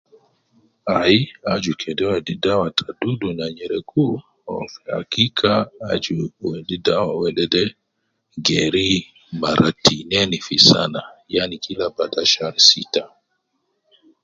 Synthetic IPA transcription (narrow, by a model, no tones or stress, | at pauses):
aiad͡ʒukʰɛdɛwɛdidawatʰadudunaɲɛɾɛkʰu | ɔ̰fa̰kikʰaad͡ʒuwɛdidawawɛɗɛdɛ | ɡɛɾi | maɾatinɛnifisa̰najanikʰilabadaʃaɾisita